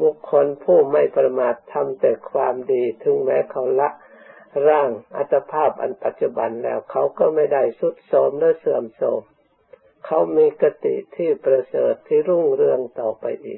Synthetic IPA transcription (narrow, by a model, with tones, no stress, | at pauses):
bu˧˦kʰːo˧˥˨npʰuː˧˩ma˧˥˩jpɾa˧maː˨˩t̪ʰːa˧mt̪ɛː˨˧˩kʰwaː˧mdiː˧t̪ʰɯ˨˦ŋmɛː˧˥kʰa˧˥˩wla˧˥ʔ | ɾaː˧˩ŋʔa̰˧t̪ʰːa˧pʰaː˥˩p̚ʔa̰˨npa˨˦t̪̚t͡ɕu˧ba˨nlɛ̰ː˧˩wkʰa˧˥˦wkɔː˧˩ma˧˥˩jda˧˩jsu˧˦t̪̚sɔː˨˦mlɯː˧˥˨sɯ˧˩əmsɔː˧˩˦m | kʰa˧˦wmiː˧ka˧t̪ḭ˧˩t̪ʰiː˧˩pɾa˧sɤː˨˩t̪ʰːiː˧˨ɾu˧˥˨ŋɾɯ˧əŋt̪ɔː˨˩pa˧jʔḭː˨˩k̚